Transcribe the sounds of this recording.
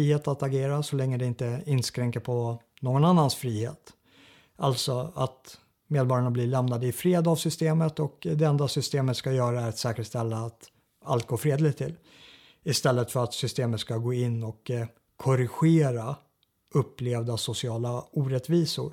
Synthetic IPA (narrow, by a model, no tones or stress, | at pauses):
iːheːt̪at̪aɡeːɾasɔlɛŋːəd̪ɛɪnt̪əɪnskɾɛŋkəɾpʰɔ | noːɡɔnanːansfɾiːhḛːt̪ | alt̪sɔat̪ | meːd̪bɑːɾjaɳablɪɭɛmnad̪əɪfɾeːd̪avsʏst̪eːmət̪ɔkd̪ɛɛnd̪asʏst̪eːmət̪skajœːɾaæɾat̪sɛːkəʂt̪ɛlːaːt̪ | a̰lt̪̚ɡoːɾfɾeːd̪lɪt̪ʰːɪ̰l | ɪst̪ɛlːət̪fœɾat̪sʏst̪eːmət̪skaɡoːɪnːɔkʰː | ɔɾɪɧeːɾa | ɵpːleːvd̪asʊsɪɑːlauːɾɛt̪viːsʊ̰ɾ